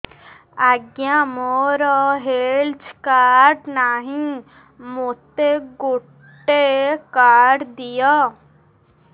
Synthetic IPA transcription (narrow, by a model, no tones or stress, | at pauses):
aɡjãmoɾɔɦeld͡ʒkaːɾɖnaɦĩ | mot̪eɡoʈʈː | ekaːɖd̪ijɔ